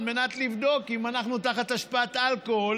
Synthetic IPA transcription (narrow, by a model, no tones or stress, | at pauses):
lme̞nat̪livd̪o̞kimanaχnutaχat̪aʃpaatalkool